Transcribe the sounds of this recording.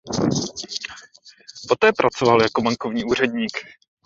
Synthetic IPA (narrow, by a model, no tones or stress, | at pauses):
po̞t̪ɛːpɾʔat͡so̞valjako̞baŋko̞vɲiːʔuːr̝ɛdɲiːk